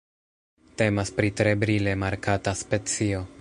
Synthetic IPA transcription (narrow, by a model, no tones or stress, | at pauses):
te̞maspɾitɾe̞bɾile̞maɾkataspe̞t͡sio̞